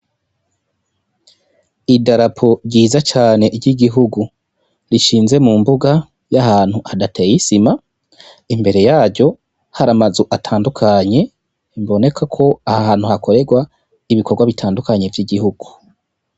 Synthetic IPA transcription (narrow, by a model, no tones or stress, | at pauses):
idaɾapʰo̞ɾɟiːzat͡ʃaːne̞ʔiɾɟiɡiɦuɡu | ɾiʃiːnze̞mumbuɡa | jahaːn̥huadatejisima | imbe̞ɾe̞jaːɾɟo̞ | haɾamazuʔatʰaːndukʰaɲe̞ | imbo̞ne̞kʰakʰo̞ahahaːn̥huhakʰo̞ɾe̞ɡwa | iβikʰo̞ɾɡwaβitʰaːndukaɲe̞vjiɡihuɡ̥u